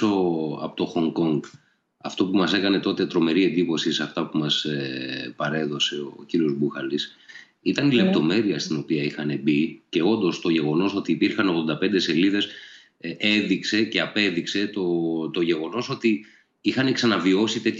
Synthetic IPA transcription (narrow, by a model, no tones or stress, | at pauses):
oɐ̰pot̪oxo̞ŋko̞ŋɡ | ɐ̰ft̪o̞pumɐse̞kɐne̞t̪o̞t̪et̪ɾo̞me̞ɾie̞nd̪ipo̞sisɐft̪ɐpumɐsepɐɾe̞ðo̞se̞oːciɾio̞zbuxɐlis | it̪ɐnile̞p̚t̪o̞me̞ɾiɐst̪ino̞piɐixɐne̞bice̞o̞nd̪o̞st̪o̞ʝe̞ɣo̞no̞so̞t̪iːpiɾxɐno̞ɣðo̞nd̪ɐpe̞nd̪e̞se̞liðe̞s | e̞ðikse̞ceɐpe̞ðikse̞t̪o̞t̪o̞ʝe̞ɣo̞no̞so̞t̪i | ixɐneksɐnɐvio̞sit̪e̞t̪